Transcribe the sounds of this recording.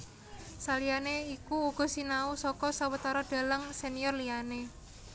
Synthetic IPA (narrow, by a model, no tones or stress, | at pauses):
salijaneikuuɡ̥ɔ̤sinausɔkɔsawət̪aɾaɖ̥a̤ləŋsenijɔrlijane